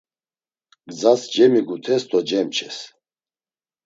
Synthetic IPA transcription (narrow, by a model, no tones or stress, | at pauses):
ɡ̥d͡zasd͡ʒɛmiɡut̪ʰɛst̪ɔd͡ʒɛmt͡ʃʰɛs